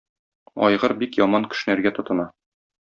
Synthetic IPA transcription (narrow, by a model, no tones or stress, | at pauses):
ɒ̰jʁɤɾbikjɒmɑŋkɘ̥̆ʃɘ̆næɾɡæt̪ŏt̪ɤ̆nɑ